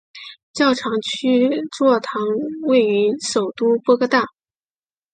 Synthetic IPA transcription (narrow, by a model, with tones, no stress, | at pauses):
t͡ɕjɑ˥˩ʊʈ͡ʂʰɑ˧˥ŋt͡ɕʰy˥ʈ͡ʂwɔ˥˩t̪ʰɑ˧˥ŋwe˥˩ɪy˧˥ʂo˨˩ʊt̪u˥pwɔ˥kɤ˥t̪a˥˩